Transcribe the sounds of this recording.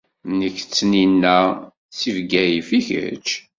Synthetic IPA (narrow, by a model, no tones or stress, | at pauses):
nəçt͡sːninːæ | t͡sːivɡæjifiçə̰t͡ʃ